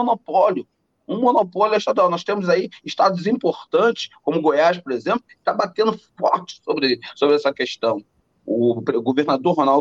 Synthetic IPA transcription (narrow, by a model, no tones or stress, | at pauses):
onopɔljʊ | ũmõnopɔljʊɛjʃt̪ad̪uawnɔst̪ẽmʊzaiɪʃt̪ad̪ʊzĩpoɾt̪ɐ̃t͡ʃɪ̥skõmʊɡojaʃpoɾezẽplʊt̪abat̪ẽnd̪ʊfɔɾt͡ʃɪ̥sobɾɪsobɾɪɛsɐkeʃt̪ɐ̃w̃ | ʊpɾeɡoveɾnad̪oɾɦonaw